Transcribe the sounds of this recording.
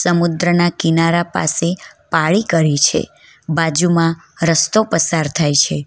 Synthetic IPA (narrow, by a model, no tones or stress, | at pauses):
səmud̪ɾənakinaɾapa̰sepaɭikəɾit͡ʃʰḛ | bad͡ʒumã | ɾəst̪opəsaɾt̪ʰajt͡ʃʰe